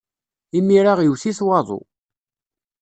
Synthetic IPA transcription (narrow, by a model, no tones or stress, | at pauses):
imːiɾaʁjəwsiswɑðˤo̰